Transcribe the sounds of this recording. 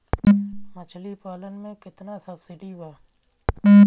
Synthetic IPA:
mət͡ʃʰlipaːlənmẽkɪt̪nasəbsɪɖibaː

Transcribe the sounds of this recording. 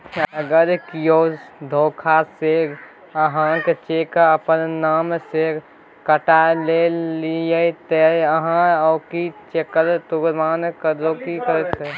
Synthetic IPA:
əɡəɾkijod̪ʱoːkʰase | əɦãket͡ʃekəpənnaːmse | kəʈalelijəit̪əəɦãɔkit͡ʃekəɾt̪uɡmaːnkəɾd͡ʒoːkikəɾet̪e

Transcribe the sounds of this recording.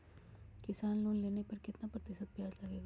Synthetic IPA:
kɪsaːnloːnleːnepəɾkɪt̪napɾət̪ɪʃət̪̚bjaːd͡ʒləɡeːɡa

